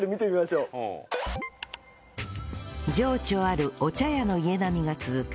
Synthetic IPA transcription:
ɾemʲit̪emʲimaɕoː | d͡ʑo̞ːt͡ɕo̞ːaɾɯ̟o̞t͡ɕajano̞ie̞namʲiɡat͡sɨzɨk

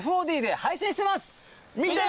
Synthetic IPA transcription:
ɸɯoːd̪ʲiːd̪e̞haiɕĩɕi̥t̪e̞masɨ̥ | mʲi

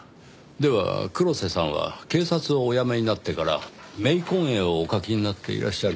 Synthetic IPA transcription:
d̪e̞βa̰kɯ̟ɾo̞se̞sãɰ̃β̞a̰ke̞ːsat͡sɨoːjameɲ̟inat̪ːe̞kaɾa̰ | me̞ikõ̞ɰ̃eoːkakʲiɲ̟inat̪ːe̞ḭɾa̰ɕiɕaɾ

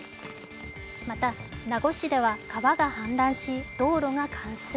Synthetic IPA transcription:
mat̪anaɡo̞ɕid̪e̞βakaβaɡahãnd̪ãɰ̃ɕid̪̥o̞ːɾo̞ŋakʰãɰ̃sɨ

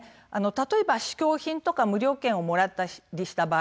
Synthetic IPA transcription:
ano̞t̪at̪o̞e̞baɕi̥kʲo̞ːçĩnt̪o̞kamɯ̟ɾʲo̞ːkẽ̞ɰ̃o̞mo̞ɾat̪ːaɾʲiɕi̥t̪abaː

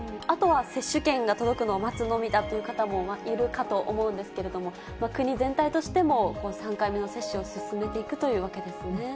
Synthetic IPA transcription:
ɯ̟̃at̪o̞βase̞ɕːɨkẽ̞ŋɡat̪o̞d̪o̞kɯ̟no̞omat͡sɨno̞mʲid̪at̪ːo̞jɯ̟kat̪amo̞maʔiɾɯ̟kat̪o̞ʔo̰mo̞ɯ̟̃nd̪e̞sɨ̥ke̞ɾe̞d̪o̞mo̞ | makɯ̟ɲ̟izẽ̞nt̪ait̪o̞ɕi̥t̪e̞mo̞ko̞ːsãŋkaime̞no̞se̞ɕːɨo̞sɨsɨme̞t̪e̞ikɯ̟t̪o̞jɯ̟ːβake̞d̪e̞sɨne̞

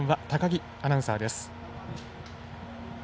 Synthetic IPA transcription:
ɰ̃βat̪akaɡʲi | anãɰ̃saːd̪e̞sɨ̥

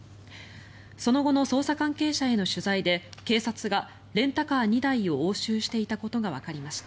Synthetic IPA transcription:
so̞no̞ɡo̞no̞so̞ːsakãŋke̞ːɕae̞no̞ɕɨzaid̪e̞ke̞ːsat͡sɨɡa | ɾẽ̞nt̪akaːɲ̟id̪aio̞oːɕɨːɕi̥t̪e̞it̪ako̞t̪o̞ɡaβ̞akaɾʲimaɕi̥t̪a

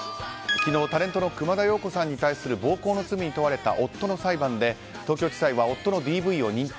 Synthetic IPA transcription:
ɯkʲino̞ːt̪aɾẽ̞nt̪o̞no̞kɯ̟mad̪ajo̞ːko̞sãɲ̟ːit̪aisɨɾɯ̟bo̞ːko̞ːno̞t͡sɨmʲiɲ̟it̪o̞βaɾe̞t̪a̰ʔo̞t̪ːo̞no̞saibãnd̪e̞ | t̪oːkʲoːt͡ɕi̥saiβao̞t̪ːono̞d̪ʲiːbɯ̟io̞ɲ̟ĩn

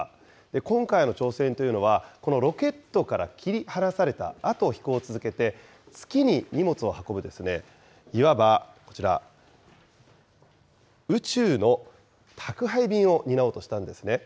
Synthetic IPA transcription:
d̪̥e̞kõ̞ŋkaino̞t͡ɕo̞ːsẽ̞nt̪o̞jɯ̟no̞βako̞no̞ɾo̞ke̞t̪ːo̞kaɾa̰kʲiɾʲihanasaɾe̞t̪a̰at̪o̞ːçi̥ko̞ːt͡sɨzɨke̞t̪e̞ | t͡sɨ̥kʲiɲ̟iɲ̟imo̞t͡sɨo̞hako̞bɯ̟d̪e̞sɨne̞ | iβabako̞̥t͡ɕiɾa̰ | ɯ̟t͡ɕɨːno̞ | t̪ʰakɯ̟ɦaibʲĩɰ̃o̞ɲ̟inaoːt̪o̞ɕi̥t̪ãnd̪e̞sɨne̞

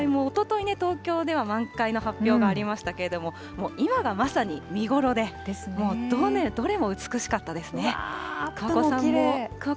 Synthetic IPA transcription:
imoːt̪o̞t̪o̞ine̞t̪o̞ːkʲo̞ːd̪e̞β̞amãŋkaino̞ɦapʲːjo̞ːɡaːɾʲimaɕi̥t̪ake̞ɾe̞d̪o̞mo̞ | mo̞ːimaɡamasaɲ̟imʲiɡo̞ɾo̞d̪e̞̥smoːd̪oned̪o̞ɾe̞mo̞ɯ̟t͡sɨ̥kɯ̟ɕi̥kat̪ːad̪e̞sɨnekɯ̟βakosãmːok

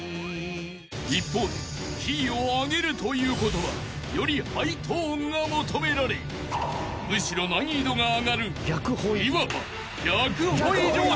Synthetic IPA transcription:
ipːo̞ːd̪e̞ | çʲioaɡe̞ɾɯ̟t̪o̞jɯ̟ːko̞t̪o̞βa̰ | jo̞ɾʲihait̪ʰoːŋɡamot̪o̞me̞ɾaɾe | mɯ̟ɕiɾo̞naɲ̟iːd̪o̞ŋaːɡaɾɯjʲakɯhoiiβaβa̰ | ɾʲakɯ̟hoid̪o

